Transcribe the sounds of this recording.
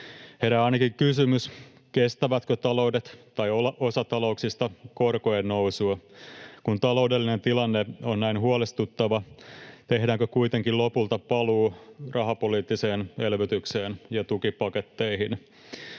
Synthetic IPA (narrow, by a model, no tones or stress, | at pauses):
heɾæɑinɑkiŋkysymys | kest̪æʋæt̪køt̪ɑlo̞udet̪t̪ɑjolɑʔosɑt̪ɑlo̞uksist̪ɑkorkoennousuɑkunt̪ɑlo̞udelːinent̪ilɑnːeonnæinɦuɑlest̪ut̪ːɑʋɑt̪e̞ɦdæːŋkøkuit̪eŋkilopult̪ɑpɑluːrʔɑɦɑpoliːt̪ːise̞ːnelʋyt̪ykse̞ːnjɑt̪ukipɑket̪ːeihin